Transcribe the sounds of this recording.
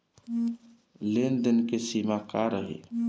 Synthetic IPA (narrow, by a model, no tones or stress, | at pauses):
leːnd̪ənkesiːmakaɾəɦḛː